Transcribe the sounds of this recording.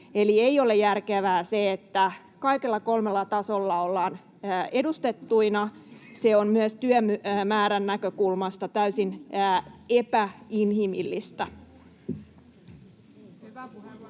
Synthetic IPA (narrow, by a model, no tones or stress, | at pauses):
eliejole̞jærkeʋæːseet̪ːæ | kɑikelːɑko̞lmelːɑt̪ɑso̞lːɑo̞lːɑːn | e̞dust̪e̞t̪ːuinɑseonmyøst̪yømmæːɾænːækøkulmɑst̪ɑt̪æysin | epæinhimḭlːist̪æ